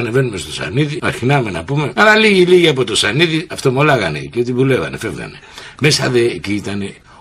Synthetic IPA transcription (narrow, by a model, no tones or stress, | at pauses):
ne̞ve̞nume̞st̪o̞sɐ̰niðiɐɾçinɐme̞nɐ̰pume̞ɐlɐliʝiliʝiɐpo̞t̪o̞sɐniðiɐft̪omolɐɣɐneceot̪ivule̞vɐ̰ne̞̰fevɣɐ̰ne̞me̞sɐðeciit̪ɐne̞